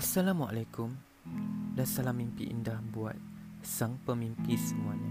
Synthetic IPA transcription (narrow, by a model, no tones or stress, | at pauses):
asalamwaʔalakum | dansalamːimpḭʔḭndahbuat̪̚ | saŋpəmimpisəmuaɲa